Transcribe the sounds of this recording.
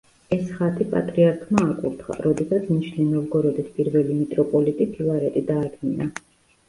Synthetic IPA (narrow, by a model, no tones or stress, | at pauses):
ɛsχat̪ʰʼipʼa̰t̪ʼɾiaɾkʰmaːkʼṵɾt̪χa̰ɾɔd̪ɛsat̪sʰniʃninɔvɡɔɾɔd̪ɛspʼiɾvɛlimit̪ʼɾɔpʼɔlit̪ʼipʰilaɾɛt̪ʼid̪aːd̪ɡina